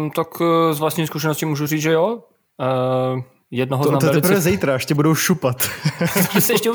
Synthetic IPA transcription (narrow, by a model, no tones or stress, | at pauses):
t̪akzvlast̪ɲimiskuʃɛnoscimuːʒuriːd͡zʒɛjo | jɛdnoɦonaoɛɛt̪liɛpɾvvɛzɛjt̪ɾaɛʃcɛbudowʃupat̪zaɛsɛɛʃcɛu